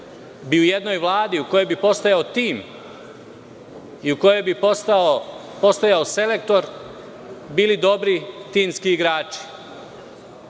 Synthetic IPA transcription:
biujed̪no̞jʋlˠaːd̪iuko̞jo̞jbipo̞st̪ojaot̪iːm | iuko̞jo̞jbi | po̞st̪ojaose̞le̞k̚t̪o̞ɾ | biːlid̪o̞bɾit̪iːmskiːɡɾaːt͡ʃi̥

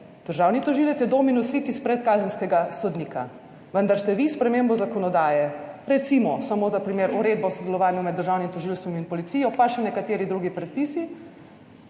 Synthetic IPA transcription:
d̪̥əɾʒaːwnit̪ɔʒilɛt̪sjɛd̪oːminuslit̪ispɾɛt̪kaːzənskɛɡasɔd̪niːka̰ | ʋənd̪aɾst̪ɛʋispɾɛmembɔzakɔnɔd̪aːjɛɾɛt̪simɔsamoːzapɾimeːɾuɾeːd̪̚bɔwsɔd̪ɛlɔʋaːnjumɛd̪ːəɾʒaːwnimt̪ɔʒilst̪ɔminpɔlit̪siːjɔpaʃɛnɛkat̪eːɾid̪ɾuːɡipɾɛt̪̚pisi

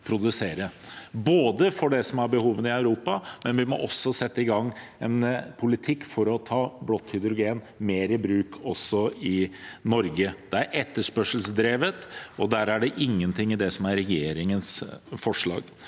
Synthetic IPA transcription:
pʰɾʊd̪ʉseːɾəboːd̪əfɔɖɛsɔmæɾbəhuːʋənəɪɑʉɾuːpɑmɛnʋɪmɔ̰ʔɔsːɔsɛt̪ːəɪɡɑŋːɛ̰npʰʊlɪt̪ʰɪkːfɔɾɔt̪ʰɑːblɔt̪ːhʏd̪ɾʊɡeːn | meːɾɪbɾʉːkʰɔsːɔɪnɔɾɡəd̪̥ɛæɾʔɛt̪ːəʂpœʂəlsd̪ɾeːʋət̪ɔd̪æɾæɖɛʔɪŋːənt̪ʰɪŋːɪd̪ɛsɔmæɾɾɛjeːɾɪŋənsfɔʂɭɑ̰ːɡ̥

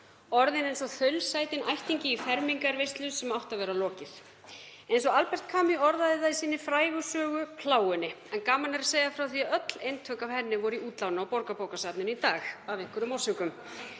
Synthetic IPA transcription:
ɔɾðɪnejnsɔθœɥlsaːjt̪ɪnʔajht̪iɲcɪifɛɾmiŋkaɾvejst̪lʏsɛmawht̪avɛːɾalɔːcɪθ | ejnsɔalpɛr̥t̪kʰaːmiɔɾðaðɪθaðɪsiːnːɪfɾaːjɣʏsœːɣʏpʰlaːwʏnːɪɛnkaːmanɛɾaseːjɣðafɾawθiaœt̪lejnt̪ʰœkavhɛnːɪvɔɾʏiuːt̪lawnaɔwpɔɾkapoːwkasaːp̪nʏnit̪aːxavɪŋkʏɾʏmɔwr̥sʏkʏm

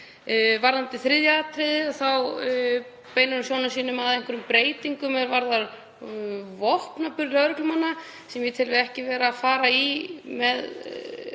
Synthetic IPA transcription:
vaɾðant̪ɪθɾɪðjaat̪ʰɾɪðɪaθaw | peːjnʏɾʏsjoːwnʏsiːnʏmaðɛjŋ̥kʰʏɾʏmpɾeːjt̪iŋkʏmɛɾvaɾðaɾ | vɔhpnapʏɾlœɾʏklʏmanːa | sɛmjɛt̪ʰɪlvɪɾɛhcɪvɛːɾaːfaːɾaimɛð

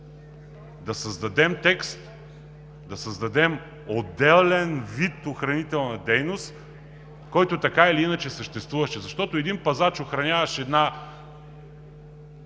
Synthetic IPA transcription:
d̪ɐsɐzd̪ɐd̪ɛmt̪ɛkst̪ | d̪ɐsəzd̪ɐd̪ɛm | od̪ːɛlˠlɛnvit̪oxɾɐnit̪ɛlˠnɐd̪ɛjnost̪ | kɔjt̪ot̪ɐkailiinət͡ʃɛsəʃt̪ɛst̪vuvɐʃɛzɐʃt̪ɔt̪ʊɛd̪inpɐzat͡ʃoxɾɐnʲavɐʃɛd̪na

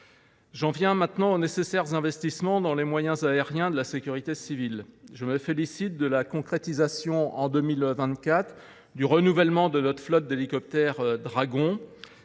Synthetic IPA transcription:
ʒɑ̃vjɛ̃mɛ̃t̪nɑ̃onesesɛʁzɛ̃vɛst̪ismɑ̃d̪ɑ̃lemwajɛ̃zaeʁjɛ̃d̪əlasekʲyʁit̪esivilʒəməfelisit̪̚d̪əlakɔ̃kχet̪izasjɔ̃ɑ̃d̪əmilvɛ̃t̪kʲat̪χ | d̪yʁənuvɛlmɑ̃d̪ənɔt̪χflɔt̪̚d̪elikɔp̚t̪ɛʁd̪ʁaɡɔ̃

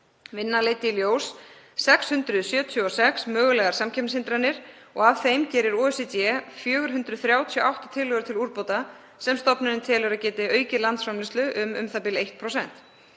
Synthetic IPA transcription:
vɪnːalejt̪ɪljoːwssɛkshʏnt̪ɾʏðsjœːt̪ʰjʏɔsɛksmœːɣʏlɛɣaɾ̥samcʰɛpnsɪnt̪ɾanːɪɾ̥ | ɔɣav̥θejmcɛːɾɪɾoːɛset̪jɛfjœːɣʏɾ̥ɦʏnt̪ɾʏðθɾjaːwt̪ʰioʔawht̪ḁt̪ʰɪlːœɣʏɾ̥t̪ʰɪluɾpoːwt̪a | sɛmst̪ɔpnʏɾɪnt̪ʰɛːlʏɾaðcɛːt̪ɪœːɥcɪlant̪sfɾamlɪst̪lʏʔʏmʏ̰mθapɪlejht̪̚pʰɾowsɛn̥t̪

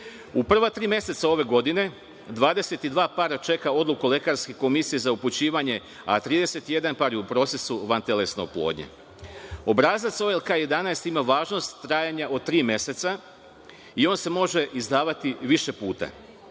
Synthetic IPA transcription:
upr̩ʋat̪ɾiːmje̞se̞t̪sao̞ʋe̞ɡo̞d̪ine̞ | d̪ʋaːd̪e̞se̞t̪id̪ʋaːpaːɾat͡ʃe̞kao̞d̪lˠukule̞kaɾske̞ko̞misije̞zauput͡ɕiːʋaɲe̞ | a̰t̪ɾiːd̪e̞se̞t̪ije̞d̪anpaːɾjeupɾo̞t̪se̞suʋant̪e̞le̞snoplˠo̰ːd̪ɲḛ | o̞bɾaːzat̪so̞elkaːje̞d̪anast̪imaʋaːʒno̞st̪ːɾaːjaɲaʔo̞t̪ɾiːmje̞se̞t̪sa | io̞ːnse̞mo̞ʒe̞ʔizd̪aːʋat̪iʋiʃe̞puːt̪a̰

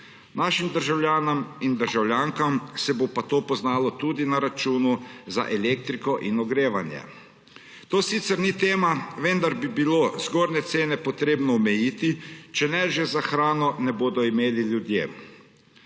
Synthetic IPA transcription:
naːʃimd̪əɾʒawljaːnamind̪əɾʒawljaːŋkamsɛbopat̪oːpɔznaːlɔt̪ud̪inaɾat͡ʃuːnuza̰ʔɛleːk̚t̪ɾikɔʔinɔɡɾeːʋanjɛ̰ | t̪oːsiːt̪sɛɾnit̪eːmaʋənd̪aɾbibiloːzɡoːɾnɛt̪seːnɛpɔt̪ɾeːbnɔɔmɛjiːt̪it͡ʃɛnɛʒɛzaxɾaːnɔnɛboːd̪ɔimeːlilʲjud̪jḛː

